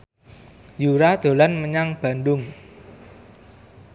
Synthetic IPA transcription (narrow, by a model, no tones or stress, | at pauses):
juɾad̪̥o̤lanməɲaŋb̥a̤ndʊŋ